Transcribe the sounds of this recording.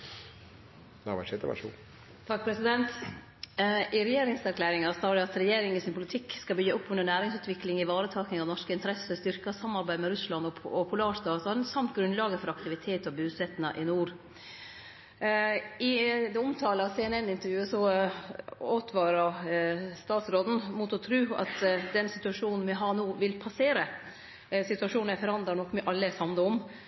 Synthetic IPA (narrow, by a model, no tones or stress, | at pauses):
næʋɑ̰ʂɪt̪ə̰ʋ̰ʂṵ | t̪ʰɑk̚ːpʰɾɛsɪd̪ɛnt̪ | ʔɪɾɛjeːɾɪŋsæɾkʰlæːɾɪŋɑst̪ɑːɾɪɑt̪ɾɛjeːɾɪŋɪsɪnpʰʊlɪt̪ʰɪkskɑbʏɡːəʊpːʉnənæːɾɪŋsʉːt̪ʋɪklɪŋɪʋɑːɾət̪ʰɑːknɪŋɑnɔʂkəɪnt̪əɾɛsəst̪ʏɾkɑsɑmːɑɾbæɪmɛɾʉslɑnɔɔpʰʊlɑːɾst̪ɑːsɑd̪nsɑmt̪ɡɾʉnlɑːɡəfɔɾɑkt̪ɪʋɪt̪ʰeːt̪ɔbʉːsɛt̪ːənɑʔɪnuːɾ | ɪd̪ɛʊmt̪ʰɑːləɑseɛnɛnɪnt̪əɾjʉːəsɔ | oːt̪ʰʋɑːɾɑ | st̪ɑːt̪sɾoːd̪n̩mut̪ɔt̪ʰɾʉːɑ̰t̪d̪ɛnsɪt̪ʉɑʂuːnn̩mɛɦɑːɛnuːʋɪlpʰɑseːɾə | sɪt̪ʉɑʂuːn̩æfɔɾɑnd̪ɾɑɳɔkːmɛʔɑlːəsɑmd̪əɔm